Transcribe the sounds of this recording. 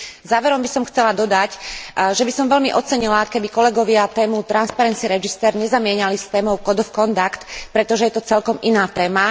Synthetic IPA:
zaːʋɛɾɔmbisɔmxt͡sɛlad̪ɔd̪acʒɛbisɔmʋɛlmiʔɔt͡sɛɲilakɛbikɔlɛɡɔʋɪat̪ɛːmut̪ɾanspaɾɛnt͡siɛɾɛd͡ʒist̪ɛːɾɲɛzamɪɛɲalist̪ɛːmɔʊkɔd̪ɔfkɔnt̪akt̪pɾɛt̪ɔʒɛjɛt̪ɔt͡sɛlkɔminaːt̪ɛːma

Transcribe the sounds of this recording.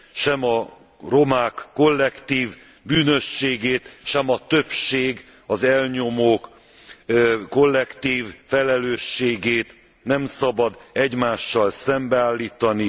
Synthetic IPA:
ʃɛmɒ | ro̞maːkːo̞lːɛkt̪iːv | byːnø̞ʃːeːɡeːt̪ʃɛmɒt̪ø̞pʃeːɡ | ɒzɛlɲo̞moːk | ko̞lːɛkt̪iːvfɛlɛløːʃːeːɡeːt̪ | nɛmsɒbɒd̪ɛɟmaːʃːɒlsɛmbɛaːlːiːt̪ɒni

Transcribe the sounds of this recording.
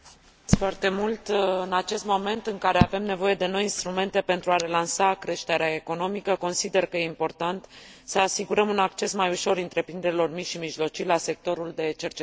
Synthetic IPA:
foart̪e̞mult̪ɨnat͡ʃe̞st̪mo̞me̞nt̪ɨŋkaɾe̞ave̞mne̞vo̞je̞d̪e̞no̞jinst̪ɾume̞nt̪e̞pe̞nt̪ɾuaɾe̞lansakɾe̞ʃt̪eɾeae̞ko̞no̞mikəko̞nsid̪e̞rkəjeimpo̞rt̪ant̪səasiɡuɾəmunakt͡ʃe̞smajuʃo̞ɾɨnt̪ɾe̞pɾind̪e̞ɾilo̞rmiʃimiʒlo̞t͡ʃilase̞k̚t̪o̞ɾuld̪e̞t͡ʃe̞rt͡ʃe

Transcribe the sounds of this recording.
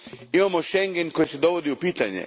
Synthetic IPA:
imamoʃeŋɡenkojised̪oʋod̪iupiːt̪aɲḛ

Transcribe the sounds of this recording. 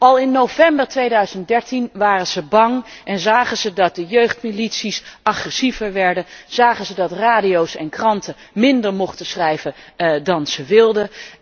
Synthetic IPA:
ɑlˠɪnːowvɛmbəɹtʋejdœɥzənt̚dɛɹtinʋaːrənz̥əbɑŋʔɛnzaːχənzədɑt̚dəjøɥχtmilitsisʔɑχrɛsivəɹʋɛɹdəz̥aːχənzədɑtraːdiowsɛ̰nkrɑntə | mɪndəɹmɔχtəsrɛjvədɑnz̥əʋɪlˠdə

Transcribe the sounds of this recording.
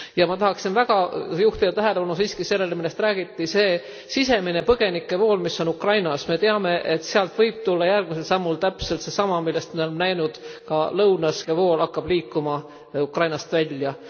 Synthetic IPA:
jɑmɑt̪ɑhɑksinvæɡ̥ɑjuht̪id̪̥ɑt̪æɦe̞le̞pɑnusiːskise̞lːe̞lmilːest̪ræːɡ̥it̪ːise̞ː | sise̞minepɤɡ̥e̞nikːˑe̞vo̞ːlmisːo̞nukrɑjnɑsme̞t̪eɑme̞ʔet̪seɑlt̪vɤjb̥̚t̪ulːɑjærɡ̥̚mis̬e̞lsɑmːult̪æpse̞lt̪se̞sɑmɑmilːe̞st̪mio̞lemnæjnud̪̥kɑlɤwnɑskevo̞ːlɑkːɑb̥liːkːˑumɑ | ukrɑjnɑst̪vælʲjɑ

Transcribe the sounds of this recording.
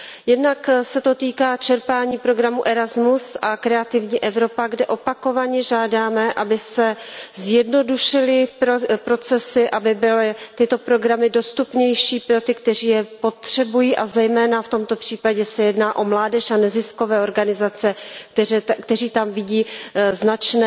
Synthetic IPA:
jɛdnaksɛt̪o̞t̪iːkaːt͡ʃɛɾpaːɲiːpɾo̞ɡɾamuʔɛɾazmusʔakɾɛat̪ɪvɲiːʔɛvɾo̞paɡdɛʔo̞pako̞vaɲɛʒaːdaːmɛʔabɪsɛzjɛdno̞duʃɪlɪpɾo̞t͡sɛsɪʔabɪbɪlɪt̪ɪt̪o̞pɾo̞ɡɾamɪdo̞st̪upɲɛjʃiːpɾo̞t̪ɪkt̪ɛr̝iːjɛpo̞t̪r̝̥ɛbujiːʔazɛjmɛːnaft̪o̞mt̪o̞pr̥iːpaɟɛsɛjɛdnaːʔo̞mlaːdɛʃanɛzɪsko̞vɛːoɾɡanɪzat͡sɛ | kt̪ɛriːt̪amvɪɟiːznat͡ʃnɛ

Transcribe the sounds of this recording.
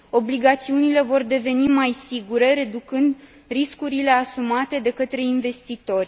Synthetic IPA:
o̞bliɡat̪siunile̞vo̞rd̪e̞ve̞nimajsiɡuɾe̞ɾe̞d̪ukɨnd̪ | riskuɾile̞asumat̪e̞d̪e̞kət̪ɾe̞inve̞st̪it̪o̞rʲ

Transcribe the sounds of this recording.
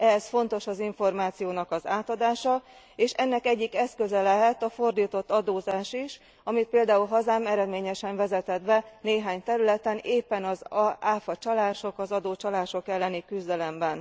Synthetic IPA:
ɛsfo̞nt̪o̞ʃɒziɱfo̞rmaːt̪sijoːnɒkɒzaːt̪ɒd̪aːʃɒ | eːʃɛnːɛkɛɟːikɛskø̞zɛlɛɦɛt̪ɒfo̞rd̪iːt̪o̞t̪ːɒd̪oːzaːʃiʃ | ɒmit̪̚peːld̪aːulɦɒzaːmɛɾɛd̪meːɲɛʃɛɱvɛzɛt̪ɛd̪bɛneːɦaːɲt̪ɛɾylɛt̪ɛneːpːɛnɒzaːfɒt͡ʃɒlaːʃo̞kɒzɒd̪oːt͡ʃɒlaːʃo̞kɛlːɛnikyzd̪ɛlɛmbɛn

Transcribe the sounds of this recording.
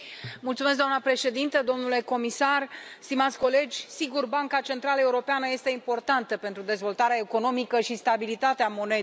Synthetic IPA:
mult̪sumes̬kd̪amnəpɾe̞ʃe̞d̪int̪əd̪o̞mnule̞ko̞misarst̪imat̪sʲko̞le̞d͡ʒʲsiɡurbaŋkat͡ʃe̞nt̪ɾaləe̞uɾo̞peanəje̞st̪e̞impo̞rt̪ant̪əpe̞nt̪ɾud̪e̞zvo̞lt̪aɾeae̞ko̞no̞mikəʃist̪abilit̪at̪eamo̞ne̞d̪

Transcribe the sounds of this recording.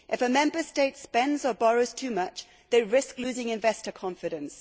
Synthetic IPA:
ʔɨfəmɛ̃mbə˞steɪtspɛ̃ndzəbɔɹoʊz̥tʰʉmʌt͡ʃ | ðeɪɹɪsklʉzɪ̃ŋɨ̃ɱvɛstə˞kʰɑ̃ɱfɨɾɨ̃ns

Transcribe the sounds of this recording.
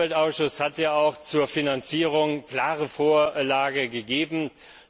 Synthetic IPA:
ɛltaʊsʃʊshatjaːaʊxt͡suːɐfinant͡siːʁ̞ʊŋkl̥aːʁəfoːɐlaːɡəɡəɡeːbm̩

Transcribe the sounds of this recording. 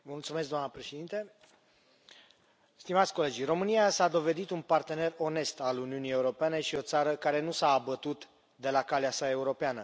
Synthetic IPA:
əmult̪sumes̬ɡd̪oamnəpɾe̞ʃed̪int̪e | st̪imat̪sʲko̞le̞d͡ʒro̞mɨnijasad̪o̞ve̞d̪it̪unpart̪e̞ne̞ro̞ne̞st̪aluniunije̞uɾo̞pene̞ʃio̞t̪saɾəkaɾe̞nusaːbət̪ut̪ | d̪e̞lakaleasae̞uɾo̞peanə

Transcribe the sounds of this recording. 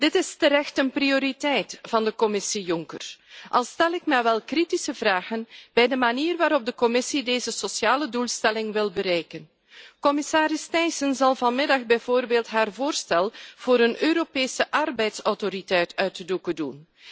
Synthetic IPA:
d̥ɪtɪstəɾɛxtənprioɾitɛjtvɑndəkɔmɪsijʊŋkərʔɑlˠstɛlɪkmɛʋɛlˠkritisəvraːɣənb̥ɛjdəmaniːrʋaːɾɔb̚dəkɔmɪsideːzəsosjaːlədulˠstɛlɪŋʋɪlˠbəɾɛjkən | kɔmɪsaːɾɪstɛjsənzɑlˠvɑnmɪdɑxbɛjv̥oːrbeːlˠtɦaːrvoːrstɛlˠv̥oːɾənøːɾopeːsəʔɑrbɛjtsɔwtoɾitɛjtœɥtədukədun

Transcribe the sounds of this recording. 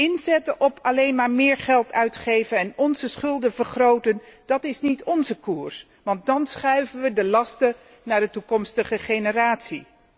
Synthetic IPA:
ɪnzɛtəʔɔpʰɑlejnmaːɹmɪːɹχɛlˠtʰœɥtχejvənɛnɔnzəsχɵlˠdəvəɹχrowtənd̥ɑtɪsnitɔnzəkuːɹs | ʋɑnt̚dɑnsχœɥvənʋədəlɑstə | naːɹdətukɔmstəχəχenəraːtsi

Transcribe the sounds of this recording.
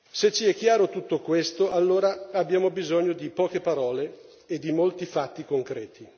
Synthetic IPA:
set͡ʃːiɛkːjaːɾot̪ut̪ːokwest̪oʔalːoːɾaabːjaːmobizoɲːod̪ipɔːkepaɾɔːle | ed̪ːimolt̪ifat̪ːikoŋkɾɛːt̪ʰi

